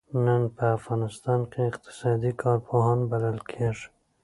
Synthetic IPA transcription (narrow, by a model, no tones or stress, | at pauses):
nanpəafɣɑnɪst̪ɑnkʲeɪqt̪ʰɪ̥sɑd̪ikʰɑɾpʰoɦɑnbad̪alkʰeʐ